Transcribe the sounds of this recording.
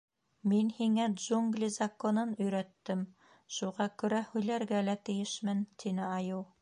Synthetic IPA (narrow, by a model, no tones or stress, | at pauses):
minhiŋædʒuŋɡlʲizɐkonɤnɵ̆jɾæt̪ːɘm | ʃuʁɑkɵ̆ɾæhʉjlæɾɡælæt̪ɘ̆jɘʃmɘnt̪inɘɑjuw